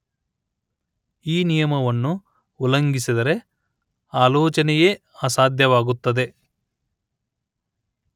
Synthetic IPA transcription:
iːnijɐmɐʋɐnːuː | lɐŋɡisid̪ɐɾe̞ | aːloːt͡ʃɐnɛjeː | aːsaːd̪ʱjɐʋaːɡut̪ːɐd̪e̞

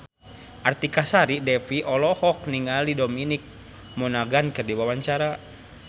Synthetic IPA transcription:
ʔart̪ikasaɾidɛfiʔɔlɔhɔk̚niŋaldidominik̚ | mɔnaɡankɨrdiwawaɲt͡ʃaɾa

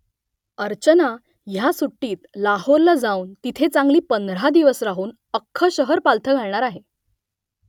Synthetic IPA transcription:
əɾt͡ɕəna | jasuʈːiːt̪lahoɾlad͡zauːnt̪it̪ʰet͡saŋɡliːpənd̪ɾ̤ad̪iʋəsɾaɦuːn | əkʰːəɕəɦəɾpalt̪ʰəɡʱaɭɳaɾaɦe

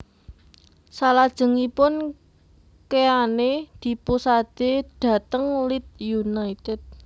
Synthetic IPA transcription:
salad̥ʒ̥ə̤ŋipʊn | keaned̪̥i̤pusad̪̥eɖ̪̥a̤t̪əŋlit̪̚junait̪ɛd̪̥̚

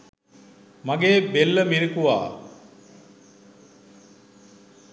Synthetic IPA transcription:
maɡeːbelːəmiɾikuʋa̰ː

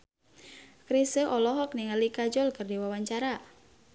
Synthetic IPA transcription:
kɾisəʔɔlɔɦɔk̚niŋalikad͡ʒɔlkɨrdiwawaɲt͡ʃaɾa

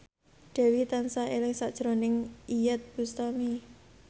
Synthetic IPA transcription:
ɖ̥ɛ̤wit̪ansaelɪŋsaʔd̥ʒ̥ɾonɪŋijət̪̚b̥ust̪ami

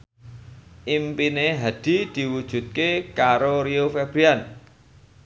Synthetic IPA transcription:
ʔimpineɦad̪̥i̤d̪̥i̤wud̥ʒ̥ṳt̪̚kekaɾoɾiofɛb̥ɾian

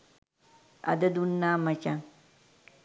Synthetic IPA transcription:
ɐ̰d̪ɐd̪unːaːmɐt͡ʃa

